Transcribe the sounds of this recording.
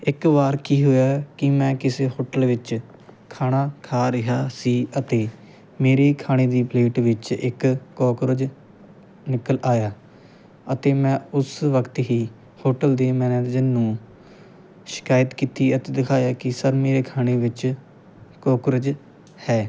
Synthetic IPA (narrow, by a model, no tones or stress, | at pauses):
ɪkʋaːɾkiːɦʊːjaːkɪmɛ̃ːkɪseːhoːʈəlʋɪt͡ʃ | kʰaːñaːkʰaːɾɪɦaːsiːət̪eː | meːɾeːkʰaːɽ̃eːd̪iːpleːʈʋɪt͡ʃɪkːoːkɾəd͡ʒ | nɪkəlʔaːjaː | ət̪eːmɛ̃ːʊsʋəkt̪ɦiː | hoːʈəld̪eːmɛ̃ːnɛ̃d͡ʒɪnːũː | ʃɪ̥kaːjət̪kiːt̪iːət̪eːd̪ɪkʰaːjaːkɪsəɾmeːɾeːkʰaːñeːʋɪt͡ʃ | koːkɾəd͡ʒ | hɛː